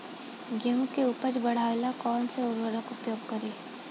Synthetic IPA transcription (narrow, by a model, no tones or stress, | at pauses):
ɡemkeuːpəɾbɐɽ̤aːelakɔːnseʊɾʋəɾəkʊpjoːɡkɐɾiː